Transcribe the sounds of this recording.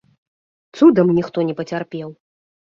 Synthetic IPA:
t̪sud̪ɐmnʲixt̪ɔnʲɛpɐt͡sʲarpʲɛw

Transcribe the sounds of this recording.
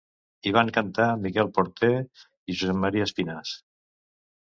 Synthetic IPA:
iβ̞aŋkant̪amikɛlˠpoɾt̪e | iʒuzɛmmːaɾiaspinas

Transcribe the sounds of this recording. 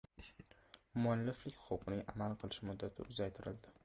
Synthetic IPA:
mʊanlːɪflɪkʲχowqnɪŋamalˠqʰɨlˠɪʃmʊd̪ːat̪ʰɪ̰ʊzajt̪ʰɪɾɪ̰ld̪ɪ

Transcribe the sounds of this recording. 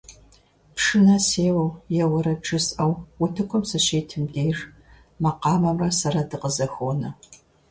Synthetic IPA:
pʂɨnɐseːwɐwjɛwɐɾɐʈ͡ʂʰʼɨsʼʔɐwwʊtʰɨkʷʰɔmsɐʃeːtʰɨmdeːjr | mɐqɑːmɐmrɐsɐɾɐdɨqəzɐxʷoːnɐ

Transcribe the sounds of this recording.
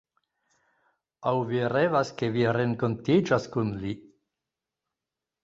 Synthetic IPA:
awviɾevaskeviɾeŋko̞ntid͡ʒaskunli

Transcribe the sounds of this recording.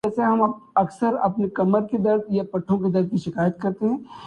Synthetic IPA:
ɛːseɦɐmɐɐksəɾɐ̰pnekɐməɾked̪ɐɾd̪̚japɐʈʰːõked̪ɐɾd̪̚kiʃɪkaːjət̪̚kɐɾt̪eɦɛ̃ː

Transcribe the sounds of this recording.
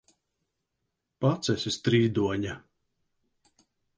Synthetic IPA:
pat̪sɛsʲist̪ɾiːd̪uɔɲa

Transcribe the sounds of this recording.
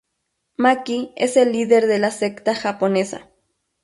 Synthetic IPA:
makieselːiðeɾðelasekt̪axaponesa̰

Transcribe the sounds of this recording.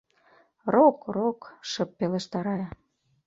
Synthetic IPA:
rokrokʃə̆pːeleʃt̪ɑɾɑjɑ

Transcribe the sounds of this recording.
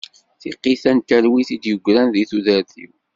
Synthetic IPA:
θiqːiθænt̪æɾwiθid̪jəɡʷːɾænðiθuðəɾθḭw

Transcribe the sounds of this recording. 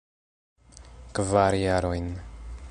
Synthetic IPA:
kvaɾjaɾojn

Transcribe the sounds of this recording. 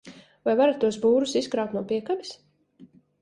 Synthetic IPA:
vajvaɾat̪ːuɔsbuːɾusiskɾawt̪nuɔpiɛkabis

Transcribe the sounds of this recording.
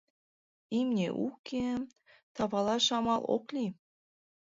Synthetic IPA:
imnʲḛʔukʰe | t̪ɑβɑlɑʃɑmɑlˠʔo̰klʲi

